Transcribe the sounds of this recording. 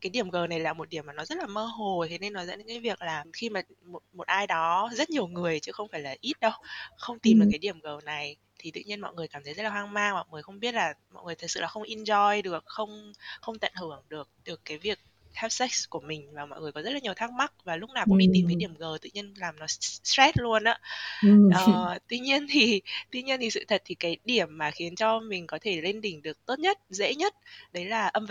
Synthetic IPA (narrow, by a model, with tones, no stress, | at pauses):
kaː˨˦jɗi˧˩əmɣəː˨˩na˨˩jlaː˨˩mo˨˩ɗi˧˩əmaː˨˩nɔ˨˦zə˦˥t̚laː˨˩məː˧ɦo˨˩t̪ʰe˨˦ne˧nːɔ˨˦zə̰˧˥nɨ̰˧˥kaː˨˦vi˨˩ək̚laː˨˩xi˧maː˨˩mo˨˩t̚mo˨˩t̚ʔaː˧jɗɔ˨˦zə˦˥t̚ɲ˨˩əwŋɨ˨˩əjt͡ɕɨ˨˦xə˧wŋ͡mfaː˧˩jlaː˨˩ʔi˦˥t̚ɗə˧wxə˧wŋ͡mt̪i˨˩m˨˩kaː˨˦ɗi˧˩əmɣəː˨˩na˨˩j | t̪ʰi˨˩t̪ɨ̰˧˨ɲi˧ənmɔ̰˧˨ŋɨ˨˩əjkaː˧˩mt̪ə˨˦jzə˦˥laː˨˩waː˧ŋmaː˧ŋmɔ̰˧˨jŋɨ˨˩jxə˧wŋ͡mɓi˦˥ət̚laː˨˩mɔ̰˧˨jŋɨ˨˩ət̪ʰə˨˩t̚sɨ̰˧˨laː˨˩xə˧wŋ͡mʔi˧nzɔ˧jɗɨ˨˩ək̚xə˧wŋ͡mxə˧wŋ͡mt̪ə̰˧˨nhɨ˧˩əŋɗɨ˨˩ək̚ɗɨ˨˩əkːaː˨˦jvi˨˩ək̚ | ha˦˥p̚sɛ˦˥k̚ku˧˩əmï˨˩ŋ̟vaː˨˩mɔ̰˧˨jŋɨ˨˩əjkɔ˨˦zə˦˥t̚laː˨˩ɲ˨˩əwt̪ʰaː˦˥k̚ma˦˥t̚vaː˨˩lʊ˦˥k͡p̚naː˨˩wʊ̰˧˥ŋʔḭ˧t̪i˨˩mt̪ə˨˦ɗi˧˩əmɣəː˨˩t̪ɨ̰˧˨ɲi˧ənlaː˨˩mnɔ˨˦sɛ˦˥t̚lu˧ənʔa̰ː˨˦ʔəː˨˩t̪wi˧ɲi˧ənt̪ʰi˨˩t̪wi˧ɲi˧ənt̪ʰi˨˩sɨ̰˧˨t̪ʰə˨˩t̚t̪ʰi˨˩kaː˨˦jɗi˧˩əmːaː˨˩xi˨˦ənt͡ɕɔ˧mï˨˩ŋ̟kɔ˨˦t̪ʰe˧˩le˧nɗï˧˩ŋ̟ɗɨ˨˩ək̚t̪o˦˥t̚ɲə˦˥t̚zḛ˧˥ɲə˦˥t̚ɗə˨˦jlaː˨˩ʔə˧m